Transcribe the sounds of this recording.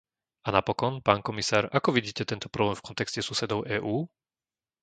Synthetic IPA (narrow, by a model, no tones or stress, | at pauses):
anapɔkɔnpaːnkɔmisaːɾakɔʋiɟiːcɛt̪ɛnt̪ɔ̥pɾɔblɛːmfkɔnt̪ɛkscɛsusɛd̪ɔʊʔɛːʔuː